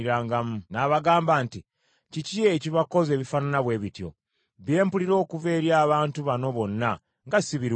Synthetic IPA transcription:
iɾaːŋɡamunaβaɡaːmbaːnti | cicieciβako̞ze̞ːβifananaβwe̞ːβitjo̞̰ | βje̞ːmpuliɾo̞ːkuve̞ːɾjaːβaːntuβano̞βo̞nːa | ŋɡasiβiɾ

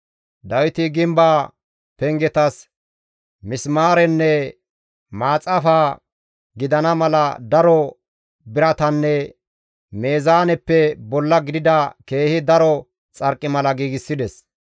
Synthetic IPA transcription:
d̪ɐwɪt̪ɪɡɪmbaː | pɛŋɡɛt̪ɐs | mɪsmaːɾɛnːɛ | maːt͡sʼɐfaː | ɡɪd̪ɐnɐmɐlɐd̪ɐɾɔ | bɪɾɐt̪ɐnːɛ | me̞ːzaːnɛpːɛbɔlːɐɡɪd̪ɪd̪ɐke̞ːhɪd̪ɐɾɔ | t͡sʼɐɾkʼːɪmɐlɐɡiːɡɪsːɪd̪ɛs

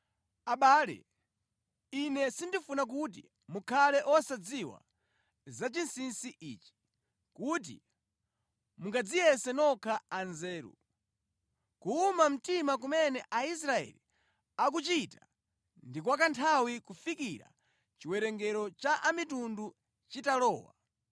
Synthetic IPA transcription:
aɓaːlɛ̰ | inɛsindifunak̬ut̬ḭ | mukʰalɛʔɔsad͡ziwa̰ | zat͡ʃinsinsiʔiːt͡ʃi̥ | kut̬ḭ | muŋɡad͡zijɛsɛnɔkʰaanzɛːɾṵ | kuːmam̩timak̬umɛnɛʔais̬ɾaɛ̰li | ak̬ut͡ʃita | ndik̬wakantʰawikufikiɾa̰ | t͡ʃiwɛɾɛŋɡɛɾɔt͡ʃaʔamitundu | t͡ʃitalɔːwa̰

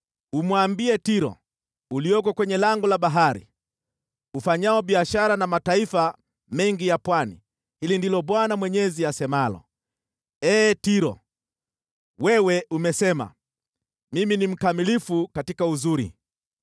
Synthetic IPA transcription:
umwambiɛtiɾɔ̰ | uliɔkɔkwɛɲɛlaŋɡɔlaɓaɦaɾḭ | ufaɲaɔɓiaʃaɾanamataifa | mɛŋɡijapwanḭ | hilindilɔɓwanamwɛɲɛziasɛmalɔ̰ | ɛːtiɾɔ̰ | wɛwɛʔumɛsɛma̰ | miminim̩kamilifukatikauzuɾḭ

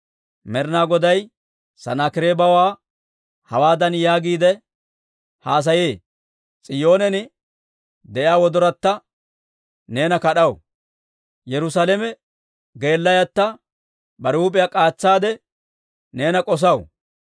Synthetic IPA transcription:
mɛɾnaːɡɔd̪ɐj | sɐ̰naːkɪɾebɐwaː | hɐwaːd̪ɐnjaːɡiːd̪ɛ | haːs̬ɐjeː | t͡sʼɪjo̞ːnɛnɪ | d̪ɛʔɪaːwɔd̪ɔɾɐt̪ːɐ | ne̞ːnɐkɐɗɐw | jɛɾʊsaːlɛmɛ | ɡe̞ːlːɐjɐt̪ːɐ | bɐɾuːpʼɪjakʼaːt͡sːaːd̪ɛ | ne̞ːnɐkʼɔs̬ɐw

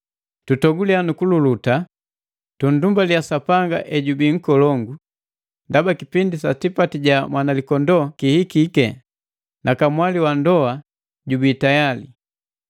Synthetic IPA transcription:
tutɔɡulianukululuta | tun̩dumbaliasapaŋɡa̰ʔɛɟubiŋ̩kɔlɔŋɡu | ndabakipindisatipatiɟamwanalikɔndɔkihikikɛ | nakamwaliwandɔa | ɟubitajali

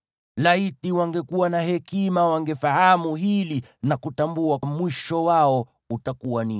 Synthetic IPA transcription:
laitiwaŋɡɛkuwanahɛkimawaŋɡɛfahamuhilinakutambuamwiʃɔwaɔ | utakuwani

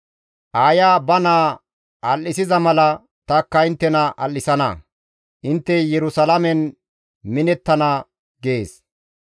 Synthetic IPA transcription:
ʔaːjaːbɐnaː | ʔɐlːɪsɪzɐmɐlɐ | t̪ɐkːɐɪnt̪ːɛnɐʔɐ̰lːɪsɐnɐ̰ | ʔɪnt̪ːɛjɛɾʊsɐlɐmɛn | mɪnɛt̪ːɐnɐ | ɡeːs

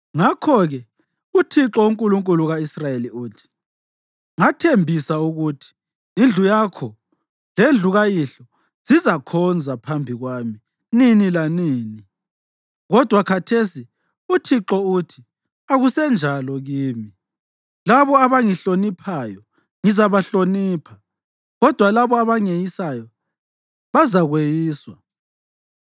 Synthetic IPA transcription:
ŋakʰɔɣɛ | utʰiǁɔuŋkʼuluŋkʼuluɣaisrajeliuːtʰi̥ | ŋatʰembʱisauɣutʰi̥ː | nd͡ɮʱujakʰɔ | lend͡ɮʱuɣajiɬɔ | z̥izakʰɔnd͡zʱapʰambʱiɣwaːmi | ninilaniːni | ɣɔd̥ʱwakʰatʰesi | utʰiǃɔutʰi | aɣusɛnd͡ʒʱalɔɣiːmi | laβɔaβaŋiɬonipʰajɔ | ŋizaβaɬoniːpʰa | ɣɔd̥ʱwalaβɔaβaŋejisajɔ | βazaɣwejiːswa

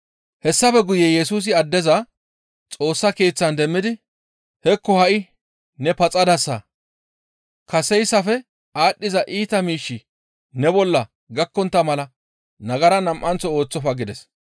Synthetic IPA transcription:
hɛsːɐfɛɡʊjɛjɛsuːs̬ɪɐd̪ːɛzɐ | t͡sʼo̞ːsːɐke̞ːt͡sːɐnd̪ɛmːɪd̪ɪ | hɛkːɔhɐʔɪ | nɛpɐt͡sʼɐd̪ɐsːɐ | kɐsɛjsːɐfɛ | aːɗːɪzɐʔiːt̪ɐmiːʃːɪ | nɛbɔlːɐ | ɡɐkːɔnt̪ːɐmɐlɐ | nɐɡɐɾɐnɐmʔːɐnt͡sːɔoːt͡sːɔfɐɡɪd̪ɛs

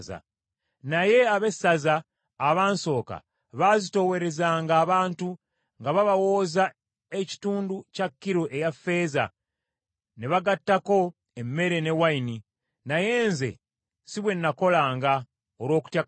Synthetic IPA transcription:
za̰ | naje̞aβe̞sazaː | βaːnso̞ːka̰ | βazito̞we̞ɾe̞zaːŋɡaːβaːntu | ŋɡaβaβawo̞ːza | e̞ci̥tuːnducakːiɾoʔe̞jafːe̞ːza̰ | neβaɡatːako̞ | emːe̞ɾe̞ne̞waini | naje̞ːnze̞̰ | siβwe̞nːako̞laːŋɡa | oɾwo̞ːku̥tja

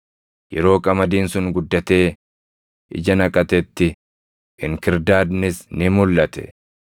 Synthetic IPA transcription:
jɛɾo̞ːkʼɐmɐd̪iːnsʊŋɡʊd̪ːɐt̪e̞ː | ɪ̰d͡ʒɐnɐkʼɐt̪ɛt̪ːɪ | ʔɪŋkɪɾd̪aːd̪nɪsnɪmʊlːɐt̪ɛ̥̰

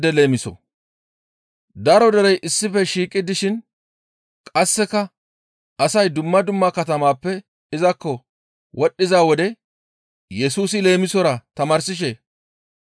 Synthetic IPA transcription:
d̪ɛle̞ːmɪsɔ̰ | d̪ɐɾɔd̪ɐɾɛjʔɪsːɪfɛʃiːkʼːɪd̪ɪʃɪn | kʼɐsːɛkɐ | ɐsɐjd̪ʊmːɐd̪ʊmːakɐt̪ɐmaːpːɛ | ɪzɐkːɔ | wʔɔɗːɪzaːwɔd̪ɛ | jɛsuːsɪle̞ːmɪsɔɾɐt̪ɐmɐɾsɪʃ̬eː

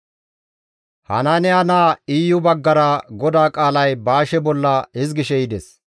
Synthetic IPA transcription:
hɐ̰nɐnɛɐnaːiːjʊbɐɡːɐɾɐɡɔd̪aːkʼaːlɐjbaːʃɛbɔlːɐhɪzɡɪʃɛjɪd̪ɛs

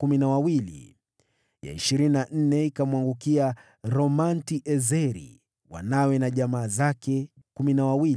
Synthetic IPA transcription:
kuminawawilḭ | ja̰ḭʃiɾininan̩nɛikamwaŋɡukia | ɾɔmantiʔɛzɛɾḭ | wa̰nawɛnaʄamaːzakɛ | kuminawawili

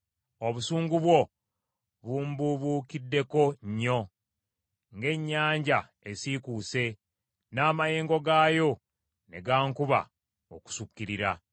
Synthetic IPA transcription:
o̞βusuːŋɡuβwo̞ | βumbuβuːkidːe̞ko̞ɲːo̞ | ŋɡe̞ɲːaːɲɟa | e̞sikuːse̞ | naːmaje̞ːŋɡo̞ɡaːjo̞ | ne̞̰ɡaːŋkuβa̰ | oku̥sukːiɾiɾa̰

